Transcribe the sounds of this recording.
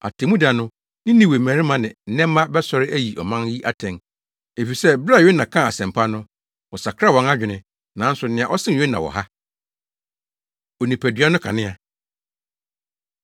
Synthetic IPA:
a̰˨tʰe˨mũ˦da˨nʊ̃˦ | nɪ̃˦nĩ˦we˨mæ̃˨ɾɪ̃˦mã˨nɪ̃˨n̩˦nɛ̃˦mː˦ã˦bɛ˦sɔ˦ɾɪ˦ʔæ˦ji˨ʔɔ˨mã˦nji˦ʔa˦tʰɛ̃˨n | e˨fi˨sɛ˦bɾa˦˨ɥe˦nã˨kʰã˦˨a˨sɛ̃˨mpʰa˦nʊ̃˦ | wɔ˨sa˨kʰɾa˦˨wɔ̃˦na˦d͡ʑᶣɪ˨nɪ̃˦ | nã˨˦n̩˦sʊ˨nɪ̃˨a˨ʔɔ˦sɪ̃˦˨e˦nã˨wɔ̰˨ha˦ | ɔ˨nĩ˨pʰæ˨dɥa˦nʊ̃˦kʰa̰˨nɪ̃˦a˨

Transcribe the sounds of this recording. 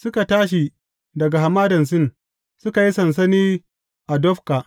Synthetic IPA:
sʊ˦ka˨taː˦ʃ̬i˨ | dɐ˨ɡa˨ɦa˨maː˦dɐ˨ns̬ɪ˦˨n | sʊ˦ka˨ji˦sɐ˨ns̬ɐ˦niː˦ | ʔa˨dɔ˦ɸkaː˨ʔ

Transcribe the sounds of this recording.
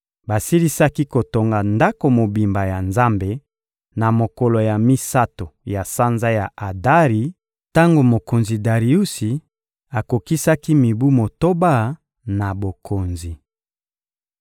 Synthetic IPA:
ba˨si˦li˦sa˦ki˦ko˨to˨ŋɡa˨nda˦ko˨mo˨bi˨mba˨ja˨nza˦mbe˨ | na˨mo˨kɔ˨lo˨ja˨mi˦sa˦to˨ja˨sa˦nza˦ja˨ʔa˨da˦ʁi˨˦ | ta˦ŋɡo˨mo˨ko˨nzi˨da˨ʁi˨u˦si˨ | a˨ko˨ki˦sa˦ki˦mi˨bu˦mo˨to˦ba˦˨ | na˨bo˨kʰo˨nzi˨

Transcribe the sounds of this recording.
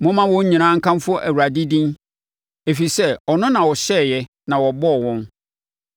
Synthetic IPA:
mʊ̃˦mã˦wɔ̃˦ɲ̩˦ɲĩ˨nã˦ŋ̩˦kʰã˦mfʊ˦ɔ˦ʔæ˨wu˨ɾa˨di˦dĩ˦n | e˨fi˨sɛ˦ɔ˨nʊ̃˦nã˨wɔ˨ɕɛ˦˨jɛ˦ | nã˨wɔ˨bɔ˦˨wɔ̃˦n

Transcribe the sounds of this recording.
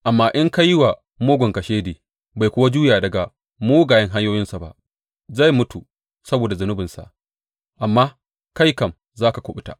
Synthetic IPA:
ʔa˨mːaː˦ʔɪ˦ŋka˦jɪ˦wa˨ | moː˦ɡʷɔ˨ŋkɐ˨ʃeː˦deː˨ | ba˨jkʷʊ˦wa˦d͡ʒuː˦jaː˨dɐ˨ɡa˨ | muː˦ɡaː˨jɐ˦ŋɦa˦ɲjoː˦jɪ˦nsa˨ba̰˦ʔ | za˦˨jmʊ˦tu˨ | sɐ˦boː˨da˨zʊ˨nʊ˦bɪ˨nsa̰˨ʔ | ʔa˨mːaː˦ | ka˦jkɐ˨m | zaː˦ka˨kʷʊ˦˨ɓʊ˦ta̰ː˨

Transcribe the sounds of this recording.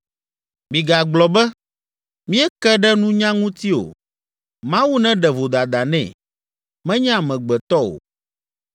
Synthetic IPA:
mĩ˨ɡa˨ɡ͡blɔ˨bɛ˦ | mĩ˦ɛ˦kɛ˦ɖɛ˦nũ˦ɲã˦ŋũ˦t̪i˦o̰˨ | mã˦wu˦nɛ̃˦ɖɛ˨vo˨d̪a˨d̪a˨nɛ̰̃˨ | mɛ̃˦ɲɛ̃˦a˨mɛ̃˨ɡ͡bɛ˨t̪ɔ˦o̰˨

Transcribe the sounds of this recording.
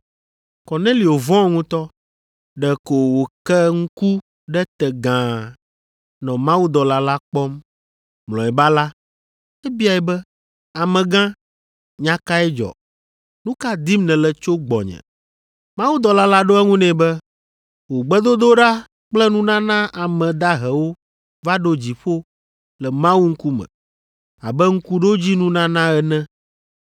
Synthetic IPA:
kɔ˨nẽ˦li˨wo˨vɔ̃˦ŋũ˦t̪ɔ˦ | ɖɛ˨ko˨wo˨kɛ˦ŋ̩˦ku˦ | ɖɛ˦t̪ɛ˨ɡã˨ | nɔ̃˨mã˦wu˦d̪ɔ˨la˦la˦k͡pɔ˦m | mlɔ̰̃˨ɛ˨ba˦la˦ | ɛ˦bi˦a˨ɛ˨bɛ˦ | a˨mɛ̃˨ɡã˦ | ɲã˦ka˦ɛ˦d͡ʒɔ̰˨ | nũ˦ka˦d̪i˦mnɛ̃˨lɛ˨t͡ʃo˦ɡ͡bɔ̰˨ɲɛ̰̃˨ | mã˦wu˦d̪ɔ˨la˦la˦ɖo˦ɛ˦ŋũ˦nɛ̃˨bɛ˦ | wo˨ɡ͡bɛ˦d̪o˦d̪o˦ɖa˦ | k͡plɛ˦nũ˦nã˦nã˦ʔa˨mɛ̃˨d̪a˦ɦɛ˨wo˦ | va˦ɖo˦d͡ʑi˨ɸo˦ | lɛ˨mã˦wu˦ŋ̩˦ku˦mɛ̰̃˨ | a̰˨bɛ˦ŋ̩˦ku˦ɖo˦d͡ʑi˦nũ˦nã˦nã˦ɛ˨nɛ̃˦

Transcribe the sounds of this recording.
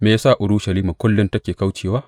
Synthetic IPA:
meː˨˦saː˦˨ʔʊ˨ɽuː˦ʃɐ˨liː˦ma˨kʷʊ˦lːʊ˦ntɐ˦kʲeː˨ka˦wt͡ʃeː˨waː˦

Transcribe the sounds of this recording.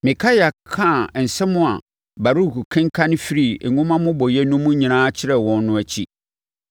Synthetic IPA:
mɪ̃˨kʰa˦ja˨kʰã˦˨n̩˨sɛ˦mʊ̃˦a˨ | ba˨ɾu˦˨ku˨kʰɪ̃˦ŋ˦kʰa˦nɪ̃˦fi˦ɾi˦˨ŋʊ̃˦mã˦mʊ̃˦bɔ˨jɛ˦nũ˦mʊ̃˦ɲĩ˨nãː˦t͡ɕʰɪ˦ɾɛ˦wɔ̃˦nːʊ̃˦æ˨t͡ɕʰi˦

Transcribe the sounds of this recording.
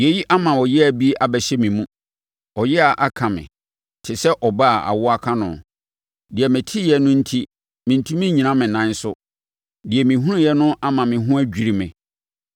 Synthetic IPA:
je˨ji˦ʔa˦mã˨ɔ˨jɛ˦æ˨bi˦ʔa˨bɛ˨ɕɛ˦mĩ˨mũ˦ | ɔ˨jɛ˦a˨ʔa˦kʰã˨mɪ̰̃˨ | tʰɪ˨sɛ˦ʔɔ˨ba˦˨a̰˨wʊ˦a˦kʰã˦nʊ̰̃˨ | dɪ˨ɛ˨mɪ̃˨tʰi˦jɛ˦nʊ̃˦n̩˦tʰi˦ | mɪ̃˨n̩˨tʰũ˦mĩ˦ɲĩ˨nã˦mɪ̃˨nã˦n˦sʊ˦ | dɪ˨ɛ˨mĩ˨ɦũ˦ɾɪ̃˦jɛ˦nʊ̃˦ʔa˦mã˨mɪ̃˨ɦʊ̃˦æ˦d͡ʑᶣi˨ɾi˨mɪ̰̃˨

